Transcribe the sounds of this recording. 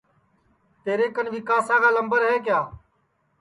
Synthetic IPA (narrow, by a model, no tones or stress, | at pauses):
t̪eːɾeːkənʋɪkaːsãːkaːləmbəɾɦeːk̬jaː